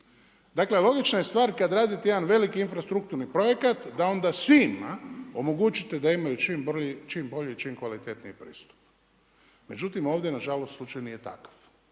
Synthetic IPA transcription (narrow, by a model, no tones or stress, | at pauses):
d̪akle̞lo̞ɡit͡ʃnajest̪ʋaːɾkad̪ɾaːd̪it̪ejed̪anʋe̞likiinfɾast̪ɾuk̚t̪uɾnipɾo̞je̞kat̪d̪ao̞nd̪asʋimao̞mo̞ɡut͡ʃit̪ed̪aimajut͡ʃimbit͡ʃiːmbo̞ʎiit͡ʃimkʋalit̪et̪nijipɾḭːst̪u̥p̚ | me̞d͡ʒut̪imo̞ːʋd̪jenaʒalost̪slut͡ʃajunije̞t̪a̰kḁf